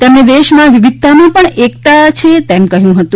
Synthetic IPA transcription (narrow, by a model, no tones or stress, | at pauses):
t̪emned̪eʃmãʋiʋid̪̚t̪amãpəɳek̚t̪at͡ʃʰet̪emkəɦjũɦət̪ũ